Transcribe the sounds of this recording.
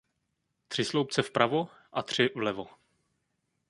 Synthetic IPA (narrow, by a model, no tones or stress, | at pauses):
t̪r̝̥ɪslowp̚t͡sɛfpɾʔavo | ʔat̪r̝̥ɪvlɛvo